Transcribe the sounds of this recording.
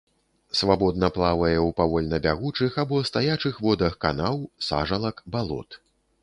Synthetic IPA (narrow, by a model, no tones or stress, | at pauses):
svabɔd̪̚nɐplˠavɐjɛwpavɔlʲnɐbʲaɣut͡ʂɨxabɔɐst̪ajat͡ʂɨxvɔd̪ɐxkanawsa̰ʐɐlˠɐkbalˠɔ̰t̪